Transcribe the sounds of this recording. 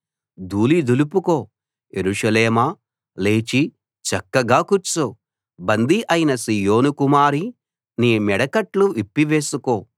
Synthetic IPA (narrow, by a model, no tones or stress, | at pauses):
d̪uːlid̪ulupukoː | jeɾuʂɐleːmaː | leːt͡ʃi | t͡ʃɐkːɐɡaːkuɾt͡ʃu | bɐnd̪iʔɐjinɐsijoːnukumaːɾi | niːmɛɽɐkɐʈluʋipːiʋeːsukoː